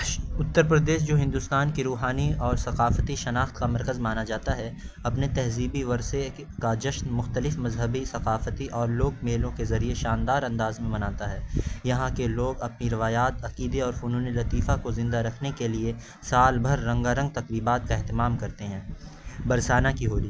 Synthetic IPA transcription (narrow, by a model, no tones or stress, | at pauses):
ʊt̪ːəɾpɾəd̪eːʃ̬d͡ʒoːɦɪ̃nd̪ʊst̪aːnkiɾuːɦaːniɔːɾsɐqaːfət̪iʃɐnaːxt̪kamɐɾkəzmaːnad͡ʒaːt̪aɦɛɐpnet̪ɛɦziːbiʋɐɾse | kad͡ʒɐʃnmʊxt̪əlɪfmɐzɦəbisɐqaːfət̪iʔɔːɾloːɡ̚meːlõkezɐɾieʃãːnd̪aːɾɐ̃nd̪aːzmẽmɐnaːt̪aɦɛːjɐɦãkeloːɡɐpniɾɪʋaːjaːt̪ɐqiːd̪eɔːɾfʊnũːnilɐt̪iːfakozɪ̃nd̪aɾɐkʰnekelie | saːlbʱɐɾːɐ̃ŋɡaɾɐ̃ŋɡ̚t̪ɐqɾiːbaːt̪̚kaɛɦt̪ɪmaːmkɐɾt̪eɦɛ̃ː | bɐɾsaːnakiɦoːliː